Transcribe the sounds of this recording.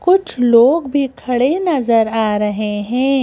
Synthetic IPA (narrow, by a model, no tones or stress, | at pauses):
kʊt͡ʃʰloːɡbʱikʰɐɽenɐzəɾaːɾɐɦeɦɛ̃ː